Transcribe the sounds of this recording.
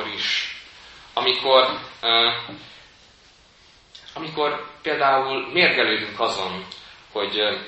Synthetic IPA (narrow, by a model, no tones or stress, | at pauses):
ɾiʃ | ɒmikʰo̞r | ɒmiko̞rpeːld̪aːulmeːrɡɛløːd̪yŋkɒzo̞nho̞ɟ